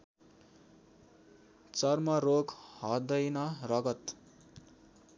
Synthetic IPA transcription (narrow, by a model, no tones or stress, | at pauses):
t͡sʌrmʌrokhʌd̪ʌjnʌrʌɡʌt̪